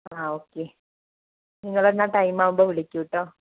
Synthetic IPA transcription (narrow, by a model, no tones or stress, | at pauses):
aːoːkːe | niŋːɐɭenːaʈɐjmaːʋumboːʋiɭikʲːuʋiʈːoː